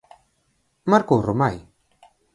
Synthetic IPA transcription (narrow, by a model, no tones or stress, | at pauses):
maɾkoromaj